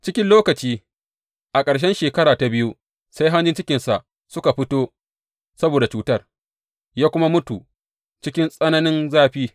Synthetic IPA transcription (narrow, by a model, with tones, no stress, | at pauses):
t͡ʃɪ˦kʲɪ˦nloː˦kɐ˨t͡ʃiː˦ | ʔa˨kʼɐ˨ɽʃ̬ɛ˦nʃeː˨kɐ˦ɾaː˨ta˨bɪ˦ju˦ | sa˦jɦa˦nd͡ʒɪ˦nt͡ʃɪ˦kʲɪ˨nsa˨ʔ | sʊ˦ka˨ɸɪ˦toː˦ | sɐ˦boː˨da˨t͡ʃuː˦tɐ˦r | jaː˦kʷʊ˦ma˦mʊ˦tu˨ | t͡ʃɪ˦kʲɪ˦nsʼɐ˦nɐ˦nɪ˦nzaː˦ɸiː˦